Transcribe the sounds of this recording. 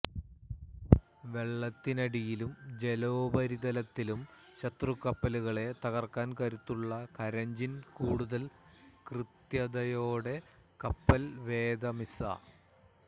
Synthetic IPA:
ʋe̞ɭːɐt̪ːinɐɽijilumd͡ʑe̞loːbɐɾiðɐlɐt̪ːilum | ɕɐt̪rukːɐpːɐluɣɐɭe̞t̪ɐɣɐrkaːnkɐɾut̪ːuɭːɐkɐɾɐɲd͡ʑinkuːɽuðɐlkrɨt̪jɐd̪ɐjoːɽe̞ | kɐpːɐlʋe̞ːd̪ɐmisɐ̰

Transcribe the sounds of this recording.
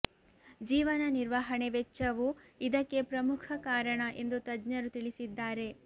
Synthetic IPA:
d͡ʒiːʋɐnɐniɾʋaːɦɐɳeʋet͡ʃːɐʋuid̪ɐkːe̞pɾɐmukʰɐkaːɾɐɳɐʔe̞nd̪ut̪ɐd͡ʒɲɐɾut̪iɭisid̪ːaːɾe̞

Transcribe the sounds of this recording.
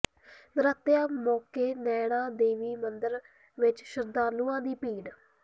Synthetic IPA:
nəɾət̪jaːmɔːkeːnɛːɽ̃ãːd̪eːʋiːmənd̪əɾ | ʋɪt͡ʃʃəɾd̪aːnuːãːd̪iːpiːɳ

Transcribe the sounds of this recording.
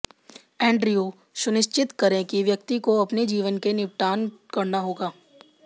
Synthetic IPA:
ɛ̃ːɳɖɾijoː | sʊnɪʃt͡ʃɪt̪kɐɾẽkiʋjɐk̚t̪ikoɐpned͡ʒiːʋənkenɪpʈaːnkɐɾnaɦoːɡaː

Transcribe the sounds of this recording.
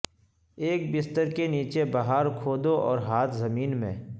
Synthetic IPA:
eːk̚bɪst̪əɾkeniːt͡ʃebɐɦaːɾkʰoːd̪oʔɔːɾɦaːt̪ʰzɐmiːnmḛ̃ː

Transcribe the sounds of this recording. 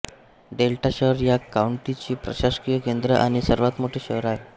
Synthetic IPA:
ɖelʈaɕəɦɾjakauɳʈit͡ɕiːpɾə̰ɕaɕkijəkend̪ɾəʔaɽ̃isəɾʋat̪moʈʰeːɕəɦɾae

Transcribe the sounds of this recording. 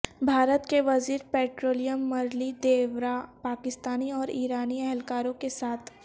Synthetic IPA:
bʱaːɾət̪keʋɐziːɾpɛːʈɾoːlijəmːɐɾlid̪eːʋɾapaːkɪst̪aːniɔːɾiːɾaːniɛɦɛlkaːɾõkesaːt̪ʰ

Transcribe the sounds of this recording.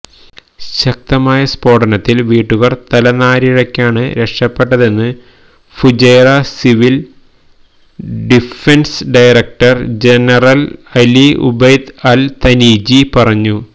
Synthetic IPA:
ɕɐk̚t̪ɐmaːjɐspo̞ːʈɐnɐt̪ːilʋiːʈːuɣɐrt̪ɐlɐnaːɾiɻɐkʲːaːɳɨɾe̞kʂɐpːe̞ʈːɐðe̞nːɨ | fud͡ʑejrɐsiʋil | ɖifensɖɐjrek̚ʈɐrd͡ʑenɐrɐlɐliṵbejd̪ɐlt̪ɐniːd͡ʑipɐrɐɲːu

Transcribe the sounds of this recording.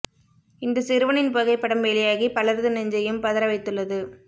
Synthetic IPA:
ɪnd̪ɐsɪɾɯʋɐnɪnpɐɣɐɪpːɐɽɐmʋeːlɪjaːɣipɐɭɐɾðɯnɛɲd͡ʒɐjɯmpɐðɐɾɐʋɐɪt̪ːɯɭːɐðɯ

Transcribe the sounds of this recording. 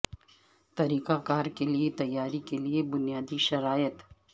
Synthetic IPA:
t̪ɐɾiːkakaːɾkeliet̪ɐjːaːɾikeliebʊnijaːd̪iʃɐɾaːjət̪

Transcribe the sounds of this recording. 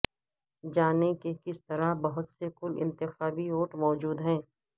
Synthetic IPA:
d͡ʒaːnekekɪst̪ɐɾabɐɦʊt̪sekʊlɪ̰̃nt̪ɪxaːbioːʈmɔːd͡ʒuːd̪ɦɛ̃ː

